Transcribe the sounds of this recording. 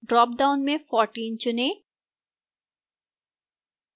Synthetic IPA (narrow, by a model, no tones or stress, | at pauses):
ɖɾɔːp̚ɖaʊnmẽfɔːɾʈiːnt͡ɕʊne